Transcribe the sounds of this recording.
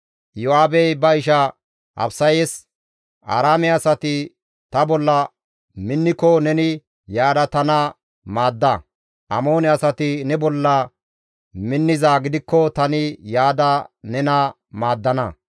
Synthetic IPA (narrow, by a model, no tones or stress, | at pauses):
jɔaːbɛjbɐɪʃɐ | ʔɐ̰bsɐjɛs | ʔa̰ːɾaːmɛɐsɐt̪ɪ | t̪ɐbɔlːɐ | mɪnːɪkːɔnɛnɪ | jaːd̪ɐt̪ɐnɐ | maːd̪ːɐ | ʔɐ̰mo̞ːnɛɐsɐt̪ɪnɛbɔlːɐ | mɪnːɪzaːɡɪd̪ɪkːɔt̪ɐnɪjaːd̪ɐnɛnɐ | maːd̪ːɐnɐ